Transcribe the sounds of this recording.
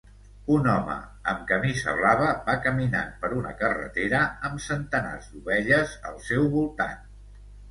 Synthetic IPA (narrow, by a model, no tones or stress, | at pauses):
unɔmə̰əmkəmizə̰βlaβəbakəmina̰npəɾunə̰kərə̰t̪eɾəəmsənt̪əna̰zd̪uβɛʎəzəlˠsɛwβulˠt̪a̰n